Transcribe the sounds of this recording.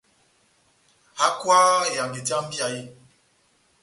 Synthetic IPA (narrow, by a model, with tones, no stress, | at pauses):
ha˨˦kwa˦e˨ja˨ŋɡe˨ti˨˦a˦m̩˦bi˦a˨je˦